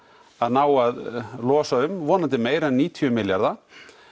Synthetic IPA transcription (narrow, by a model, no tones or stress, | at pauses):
aðnaːwaðlɔːsaʏmvɔːnant̪ɪmeːjɾɛnːiːt̪ʰiʏmɪljaɾða